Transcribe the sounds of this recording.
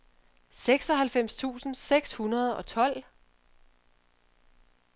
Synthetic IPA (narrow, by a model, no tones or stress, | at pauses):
seɡ̥sɒ̽ɦælfem̰st͡sʰṵːsn̩seɡ̥shunɐð̞ˠɒ̽t͡sʰɒ̽l̰